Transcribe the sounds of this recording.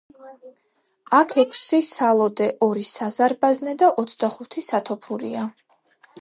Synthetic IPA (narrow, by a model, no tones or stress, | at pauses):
akʰɛkʰsisalˠɔd̪ɛʔɔɾisazaɾbaznɛd̪aʔɔt̪sʰd̪aχut̪ʰisat̪ʰɔpʰuɾḭa